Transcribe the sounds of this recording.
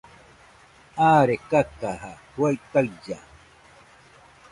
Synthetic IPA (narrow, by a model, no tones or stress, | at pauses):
aːɾekakahahwajt̪aja